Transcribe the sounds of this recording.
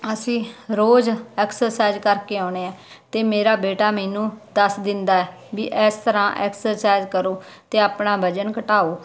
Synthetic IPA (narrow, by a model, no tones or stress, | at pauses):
əsĩːɾoːzɛːksəɾsaːzkəɾkeːɔ̃ːɳ̃eːaː | t̪eːmeːɾaːbeːʈaːmɛːnũːd̪əsd̪ɪnd̪aːɛː | ʋiːʔɛːst̪əɾãːʔɛ̰ːksəɾsaːɪzkəɾoː | t̪eːaːpɳaːbʱəd͡ʒənkəʈaːoː